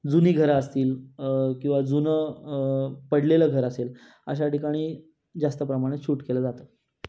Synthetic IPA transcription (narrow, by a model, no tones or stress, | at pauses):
d͡zuniːɡʱəɾaəst̪iːlkĩw̃ʋad͡zunə | pəɽleləɡʱəɾəsel | əɕ̬aʈikaɽ̃iː | d͡zast̪əpɾəmaɽ̃et͡ɕʰuːʈkeləːd͡zat̪ə